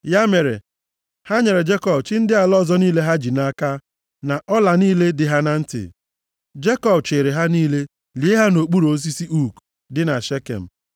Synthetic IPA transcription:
ja˦me˨ɾḛ˨ | ha˦ɲe˨ɾe˨d͡ʒe˦kɔ˦bt͡ʃɪ˦n̩˦dɪ˦a˨lɔ˦zɔ˦niː˦le˦ɦa˦d͡ʒi˨na˦ka˦ | na˨ʔɔ˦la˨niː˦le˦dɪ˨ɦa˦na˨n̩˦tɪ̰˨ | d͡ʒe˦kɔ˦bt͡ʃɪ˨ɾɪ˨ɦa˦niː˦le˦ | li˨˦e˦ɦa˦no˨k͡pu˦ɾo˦s̬i˦si˦ʔu˦k | dɪ˦na˨ʃe˦kḛ˨m̩˨

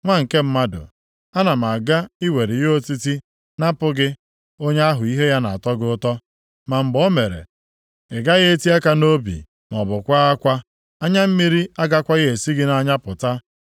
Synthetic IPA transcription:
ŋʷa˦ŋ̩˨ke˦m̩˦ma˦dʊ̰˨ | a˦na˨m˨a˨ɡa˦i˦we˨ɾɪ˨jo˦ti˦ti˦ | na˦pʊ˦ɡɪ˦ | o˦ɲe˦a˦ɦʊ˨i˦ɦe˦ja˦na˨a˨tɔ˦ɡɪ˦ʊ˦tɔ˦ | ma˨m̩˨ɡ͡bɔ˦me˨ɾḛ˨ | ɪ˨ɡa˦ɣe˦e˦ti˦a˦ka˦no˦bḭ˨ | m˨ɔ˨bʊ˨kʷa˦a˦kʷa˦ | a˦ɲa˦m̩˦mi˦ɾi˦a˦ɡa˦kʷa˦je˨si˦ɡɪ˦na˦ɲa˦pʊ˨ta˦

